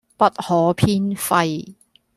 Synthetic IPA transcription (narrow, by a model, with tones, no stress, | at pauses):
pɐ˥t̚hɔː˨˥pʰiː˥nfɐ˧j